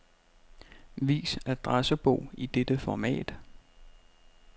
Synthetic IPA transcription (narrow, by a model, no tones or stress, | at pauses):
ʋḭːsæd̥ʁasəb̥ɔʊ̰id̥ed̥əfɒmɛ̰ːd̥